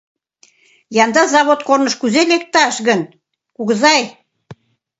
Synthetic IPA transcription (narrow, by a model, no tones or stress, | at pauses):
jɑnd̪ɑzɑβot̪kornə̆ʃkyzelek̚t̪ɑʃɣən | kuɣə̆zɑj